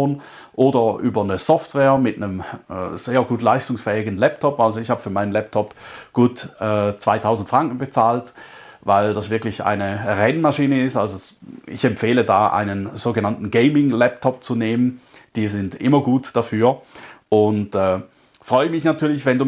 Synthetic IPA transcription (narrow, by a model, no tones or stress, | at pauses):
oːn | ʔoːdɐʔyːbɐnəzɔftv̥ɛːɐmɪtnəmːz̥eːɐɡuːtlaɪstʊŋsfɛːɪɡən̩lɛptʰɔpalzoɪçhaːbəfyːɐmaɪnənlɛp̚tʰɔpɡ̥uːtɛːt͡sv̥aɪtʰaʊzn̩tfʁ̥aŋkn̩bət͡saːlt | vaɪldasvɪɐklɪça̰ɪnəʁɛnmaʃiːnəɪstalzoɪ̰çɛmfeːlədaːʔa̰ɪnənzoːɡənantn̩ɡeɪmɪŋlɛptʰɔp̚t͡suneːmən | d̥iːzɪntʔɪ̰mɐɡuːtd̥afyːɐʔʊntɛː | fʁ̥ɔʏəmɪçnatʰyːɐlɪçv̥ɛnduː